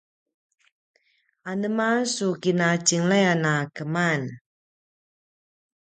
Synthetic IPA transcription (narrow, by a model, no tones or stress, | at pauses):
anəmasukinat͡ʃiŋlajanakəman